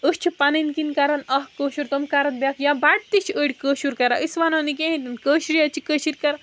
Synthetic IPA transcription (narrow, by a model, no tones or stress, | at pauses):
əst͡ʃʰipɐninkinkɐɾɐnɐɦkəːʃuɾt̪omkɐɾɐn̚bjakʰjãbaʈ̚t̪it͡ʃʰəɽʲkəːʃuɾkɐɾaʔisʋanɐnik̬ʲẽit̪inkəːʃɾiɐt͡ʃikəʃiɾʲkɐɾa